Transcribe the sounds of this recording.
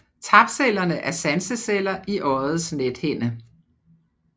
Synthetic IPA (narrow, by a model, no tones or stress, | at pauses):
t͡sʰɑ̈b̥sel̰ɐnəʔæɐsænsəselɐʔiʔɒð̩ˠsned̥hen̰ə